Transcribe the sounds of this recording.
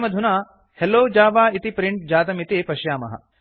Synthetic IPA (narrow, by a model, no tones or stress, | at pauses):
mɐd̪ʱunaː | heloːd͡ʒaːʋaːit̪ipɾiɳʈ̚d͡ʒaːt̪̬ɐmit̪eːpɐʃjaːmɐ̰ɦɐ̰